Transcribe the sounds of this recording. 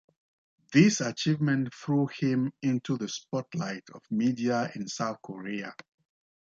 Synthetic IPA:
ðisat͡ʃivmɛ̃ntθɹuhɪ̃mɪ̃ntʰuðəspɔtʰla̰ɪtʰɔvmidiaɪ̃nsaʊθkʰɔɹia

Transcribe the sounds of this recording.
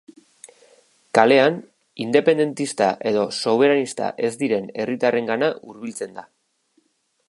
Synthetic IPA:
kale̞an | ind̪e̞pe̞nd̪e̞nt̪ist̪aʔe̞ðo̞so̞β̞e̞ɾanist̪a̰ʔe̞zd̪iɾe̞ne̞rit̪are̞ŋɡanaʔuɾβ̞ilt͡se̞nd̪a

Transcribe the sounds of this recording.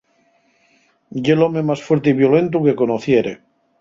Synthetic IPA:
jelomemasfweɾt̪eiβjolent̪ukekonoθjeɾḛ

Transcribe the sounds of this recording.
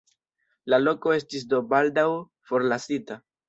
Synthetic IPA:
lalo̞ko̞e̞stis̬do̞baldaw | fo̞ɾlasita

